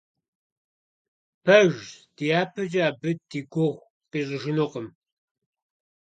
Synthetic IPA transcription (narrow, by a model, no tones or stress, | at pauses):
pʰɐʒd̥ijaːpʰɨd͡ʒaːbɨt̚diɡʷoxʷ | qiːʑʼɪʒɪnoqəm